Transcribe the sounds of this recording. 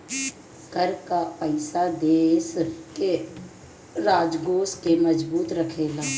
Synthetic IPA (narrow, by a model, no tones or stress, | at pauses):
ɡ̥ʱəɾkapəɪsad̪eːske | ɾaːd͡ʒɡoːskeməd͡ʒbuːt̪ɾəkʰeːlaː